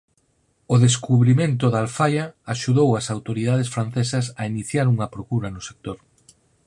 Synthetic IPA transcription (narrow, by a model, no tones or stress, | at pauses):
ʊðeskuβɾimẽnt̪ʊðalfajɐːʃuðowɐsawt̪oɾið̞að̞esfɾanθesɐsɐiniθjaɾuŋɐpɾokuɾɐnʊse̥k̚t̪oɾ